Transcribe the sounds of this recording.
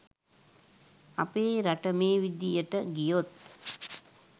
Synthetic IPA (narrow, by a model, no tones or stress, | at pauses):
apeːɾaʈəmeːʋid̪ijəʈəɡijot̪̚